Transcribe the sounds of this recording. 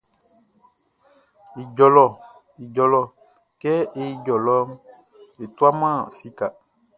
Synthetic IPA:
i˨d͡ʒɔ˨lɔ˨ | i˨d͡ʒɔ˨lɔ˨ | kɛ˦e˦i˦d͡ʒɔ˨lɔ˦m | e˨t̪u˦a˦mã˦˨si˦ka˨

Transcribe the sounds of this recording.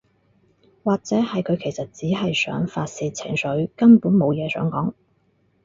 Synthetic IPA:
waː˨k̚t͡sɛː˨˥hɐ˨jkʰɵ˨˧ɥkʰe˨˩jsɐ˨t̚t͡siː˨˥ɦɐ˨jsœ̰ː˨˥ŋfaː˧t̚siː˧t̚t͡sʰɪ̰˨˩ŋsɵ˨˥ɥkɐ˥npuː˨˥nmo˨˧wjɛː˨˧sœ̰ː˨˥ŋkɔː˨˥ŋ

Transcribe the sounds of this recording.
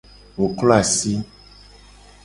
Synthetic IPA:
wo˨klɔ˦a˨si˦

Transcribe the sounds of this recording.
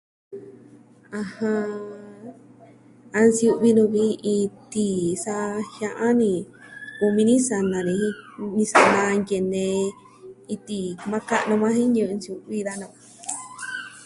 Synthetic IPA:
ã˧hã˧ | a˧nsju˧ʔβi˧nũ˧βi˧˦i˧t̪i˧sa˧hjã˧ʔã˦nĩ˧ | ku˧mĩ˧nĩ˦sa˧nã˧nĩ˧hĩ˧˦nĩ˧sa˧nã˧nje˨nẽ˧ | i˧t̪i˧˨mã˦ka˦ʔnõ˧mã˦hĩ˦ɲɨ̃˧nsju˧βi˧ða˧nõ˧˨ã˧

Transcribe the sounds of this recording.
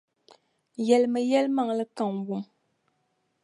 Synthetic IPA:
jɛ˨lmɨ˨jɛ˦lma˨ŋlɨ˦ka˨ŋwu˨m

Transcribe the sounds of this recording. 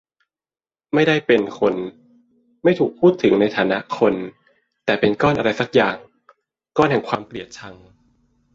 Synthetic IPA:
ma˥˩jda˥˩jpe˧nkʰo˧n | ma˥˩jt̪ʰuː˨˩k̚pʰuː˥˩t̪ʰːɯ˨˩˦ŋna˧jt̪ʰaː˩˦na˦˥ʔkʰo˧n | t̪ɛː˨˩pe˧nkɔː˥˩nʔa˧ɾa˧jsa˨˩k̚jaː˨˩ŋ | kɔː˥˩nhɦɛ˨˩˦ŋkʰwaː˧mpli˨˩ət̪̚t͡ɕʰa˧ŋ

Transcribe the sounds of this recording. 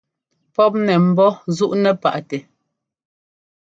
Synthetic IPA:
pɔ˦p̚nɛ˨m̩˨bɔ˦zu˦ʔnɛ˨pa̰˨ʔtɛ˨

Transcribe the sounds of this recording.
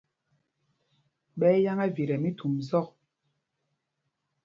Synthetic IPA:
ɓɛ˦ja˦ŋa˦vi˨ɾɛ˨mi˦tu˨mzɔ˦k̚

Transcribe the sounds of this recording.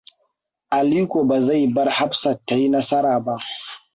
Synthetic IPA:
ʔa˨liː˦kʷoː˨ba˨za˦˨jbɐ˦rha˦bsɐ˨tːa˨ji˦nɐ˦sɐ˦ɾaː˨ba˦ʔ

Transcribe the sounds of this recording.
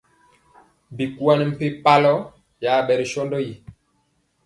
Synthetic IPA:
bi˨ku˦a˦ni˨m̩˨pe˦pa˦lɔ˦ | ja˨˦˨ɓɛ˨ɾi˨ʃɔ˦ndɔ˦ji˨

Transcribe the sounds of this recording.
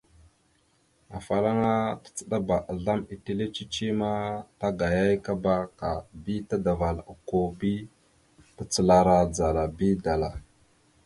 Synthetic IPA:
a˨fa˨la˦ŋa˦tḁ˨t͡sə˨ɗa˦ba˨ʔa˨ɮa˦mi˨ti˦le˦t͡ʃi˦t͡ʃi˦ma˦ta˦ɡa˨ja˦jka˦ba˦ka˨bi˦ta˦da˨va˨lu˨ko˦bi˦ | bə˨t͡sə˨la˨ɾa˨d͡za˨la˨bi˦da˨la˨

